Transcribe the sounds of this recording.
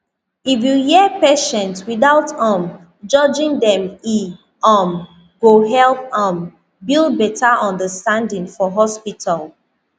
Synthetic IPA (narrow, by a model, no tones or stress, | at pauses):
ifjujɛpeʃɛ̃ntswiðaʊtɔ̃m | d͡ʒɔd͡ʒĩŋdɛ̃mi | ʌm | ɡ̥oɦɛlˠpʌ̃m | bilˠd̚bɛtʰaʔɔ̃ndəstãndĩŋfɔɦɔspitʰal